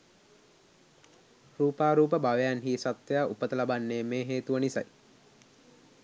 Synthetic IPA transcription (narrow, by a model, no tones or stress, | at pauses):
ruːpaːɾuːp̬əbaʋejanɦiːsat̪ʋejaːʔupət̪əlabanːeːmeːɦeːt̪uʋənisa̰j